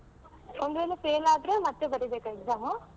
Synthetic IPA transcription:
ond̪uʋeːlepeːlaːd̪ɾemɐt̪ːebɐɾibeːkɐeɡzaːmɐ

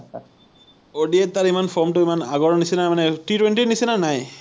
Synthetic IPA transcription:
oɖiet̪ːaɾimanfɔmʈoimana̰ɡɔɾnisinamaneʈiʈweɳʈinisinanaj

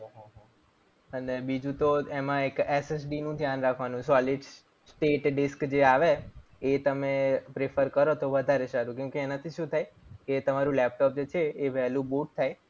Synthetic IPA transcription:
ɦɦ | ənebid͡ʒũt̪oemãekeses̬ɖinũd̪ʱjanɾakʰʋanũsɔlɪɖ | sʈeʈɖɪskd͡ʒeaʋeː | t̪əmepɾefəɾkəɾot̪oʋəd̪ʱaɾeʃaɾũkjũkeːnat̪ʰiʃũt̪ʰajet̪əmaɾũlɛp̚ʈɔp̚d͡ʒet͡ʃʰeːʋɛɦlũbuʈ̚t̪ʰaj

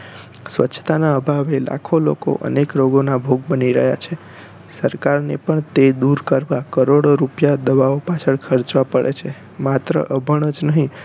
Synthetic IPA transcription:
sʋə̰tːt͡ʃʰʃʰət̪anaəbʱaʋela̰kʰolo̰ko̰ʔə̰nekɾoɡonabʱoɡ̚bəniɾəɦjat͡ʃʰe | səɾkaɾnepəɳt̪ed̪uɾkəɾʋakəɾoɽoɾupjad̪əʋaopat͡ʃʰəɭkʰəɾt͡ʃʋapəɭḛt͡ʃʰe | mat̪ɾə̰ʔəbʱəɳ̃əd͡ʒnəɦĩ

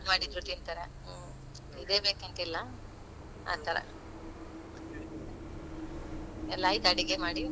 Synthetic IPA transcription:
maːɽit̪ɾuʈ̪int̪ɐɾe | id̪eːbeːkɐnt̪ilːɐ | a̰ːɡ̚t̪aɾḛ | ɛlːaːjt̪ɐɽiɡemaːɽi

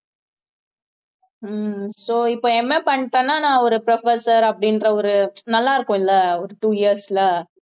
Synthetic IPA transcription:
soːɪpːoːɛmːepɐɳːʈːẽːnːaːnãːɔɾɯpɾɐfɐsɐɾɐpːɐɽɪnɾɐɔɾɯnɐlːaːɪɾɯkːõːɪlːɐɔɾɯʈuːɪɐɾsɪlɐ

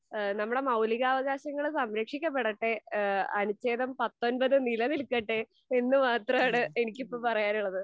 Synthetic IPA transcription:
nɐmːuɽe̞mɐwliɣaːʋɐɣaːɕɐŋːɐɭsɐmɾɐkʂikʲːɐp̬ːe̞ɽɐʈːeɐnut͡ɕːeːðɐmpɐt̪ːo̞nbɐðɨnilɐnilkːɐʈːe | enːɨmaːt̪rɐmaːɳɨenikʲːipːoːpɐrɐjaːnuɭːɐðɨ

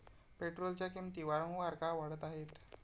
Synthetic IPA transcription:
peʈɾolt͡ɕjakimt̪iːʋaɾə̃ŋɡʋaɾkaʋəɽət̪aɦet̪

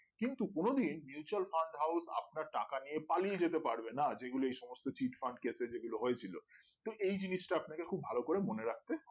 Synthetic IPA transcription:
kint̪ukonod̪inmjuut͡ɕualfaɳɖɦawsa̰p̚naɾʈa̰kanijepalied͡ʑet̪epaɾbenad͡ʑeɡuloejʃɔmost̪ot͡ɕiʈfaɳɖ̚kesed͡ʑeɡuloɦojet͡ɕʰilot̪oʔejd͡ʑiniʃʈaapnakekʰubʱalokoɾemoneɾak̚t̪e

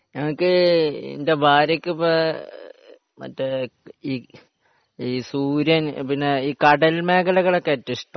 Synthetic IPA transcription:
ɲɐŋːɐɭkːɨḭnde̞bʱaːɾɐkʲːɨpo | mɐ̰tːeiː | isuːɾjɐnpinːeiːkɐɽɐlme̞ːkɐlɐɣɐɭokːetːiiʂʈɐ

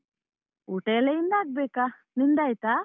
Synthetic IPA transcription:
uʈɛlɛind̪ak̚bɛka | nind̪ajt̪a

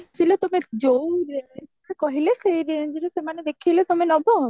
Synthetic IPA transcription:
silet̪omed͡ʒowɾsekʰakɔɦileseɾd͡ʒiɾesemaned̪ekʰilet̪omenɔbɔ

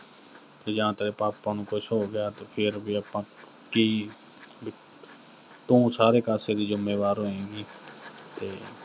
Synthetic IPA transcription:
t̪ed͡ʒəɦãːt̪eɾeːpaːpːaːnũːkoːisooɡɪjaːt̪opʰɪɾbʱiəpːãː | kiː | bʱi | t̪ũːsaːɾeːkaːseːɾiːd͡ʒʊmeːʋaːɾoɦẽːɡiːt̪eː

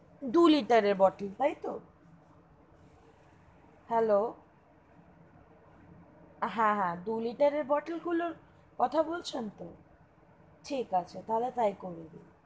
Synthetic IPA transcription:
d̪uliʈaɾeɾbɔʈelt̪ajt̪o | hɛlo | ɦãɦãd̪uliʈaɾeɾbɔʈelɡuloɾ | kɔt̪ʰabolt͡ɕʰent̪o | ʈʰikat͡ɕʰet̪aɦlet̪ajkoɾid̪i

